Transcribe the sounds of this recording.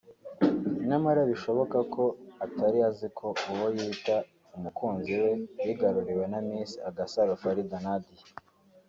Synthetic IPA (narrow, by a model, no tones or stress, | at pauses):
namaɾaβiʃo̞βo̞kako̞ataɾiazikʰo̞uwojiːta | umukuːnziwe̞jiɡaɾuɾiwe̞namiːnsiaɡasaɾofaɾidanadi